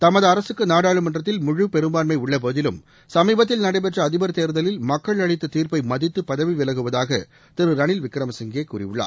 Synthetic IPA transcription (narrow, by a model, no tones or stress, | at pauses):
t̪ɐmɐðɯɐɾɐsɯkːɯnaːɽaːɭɯmɐndrɐt̪̬ːɪlmʊɻɯpɛɾɯmbaːnmɐɪʊɭːɐboːðɪlɯm | sɐmiːbɐt̪̬ːɪlnɐɽɐɪpɛʈrɐːðɪbɐɾt̪eːɾðɐlɪlmɐkːɐɭɐɻɪt̪ːɯt̪iːɾpɐɪmɐðɪt̪ːɯpːɐðɐʋiʋɪlɐɣɯʋɐðaːɣɐ̰ | t̪ɪɾɯɾɐɳɪlʋɪkɾɐmɐsɪŋɡeːkːuːrɪ̰jɯɭːa̰ː